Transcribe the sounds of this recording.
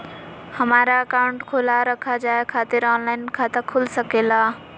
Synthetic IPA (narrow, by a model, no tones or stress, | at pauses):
həmaːɾaəkaːʊ̃ɳʈkʰoːlaɾəkʰad͡ʒaːekʰaːt̪ɪɾɔːnlaːɪnkʰãt̪ɐkʰʊlsəkeːlaː